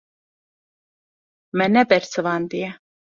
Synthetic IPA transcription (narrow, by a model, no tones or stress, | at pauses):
mɛnɛbɛɾt͡sʰəvand̪iɛ